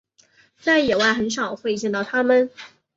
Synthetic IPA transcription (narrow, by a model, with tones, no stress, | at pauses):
t̪a˥˩njɛ˨˩wa˥˩ɪxə˧˥nʂɑ˨˩ʊxwe˥˧ɪt͡ɕjɛ˥˧nt̪ɑ˥˩ʊt̪ʰa˥mə˨n